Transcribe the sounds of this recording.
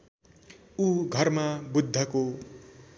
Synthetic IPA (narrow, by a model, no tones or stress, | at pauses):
uɡʱʌrmabud̪ʱːʌko